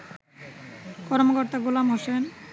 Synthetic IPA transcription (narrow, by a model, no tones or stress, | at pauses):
kɔɾmokoɾt̪aɡulamɦosen